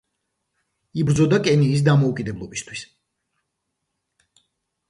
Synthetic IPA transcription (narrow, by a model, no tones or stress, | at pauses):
ibɾd̪zɔd̪akʼɛniːs̬d̪amɔukʼid̪ɛblˠɔbist̪ʰwis